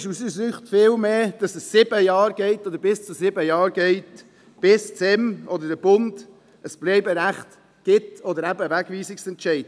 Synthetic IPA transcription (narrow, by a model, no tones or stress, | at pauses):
ʃusəsyːχtfɪːlmeːd̥ɑsəsːɪbəjɑːɾɡɛɪtɔd̪əɾbɪst͡susɪbəjɑːɾɡɛɪt | b̥ɪst͡sɛmɔd̪ədəb̥ʊnd | əsb̥lɛɪbəɾæχt | ɡ̥ɪtɔd̪əɾæbəvæɡ̥viːsɪksɛntt͡ʃɛɪd̥